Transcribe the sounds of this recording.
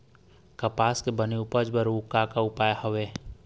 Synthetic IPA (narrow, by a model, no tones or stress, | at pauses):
kəpaːskebəniʊpəd͡ʒbəɾuːkakaʊpaːjhəʋeː